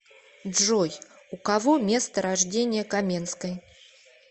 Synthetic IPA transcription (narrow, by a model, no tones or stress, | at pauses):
ʐɔj | ukavɔmʲest̪ɐɾaʐd͡zʲenʲɪjəkamʲenskəj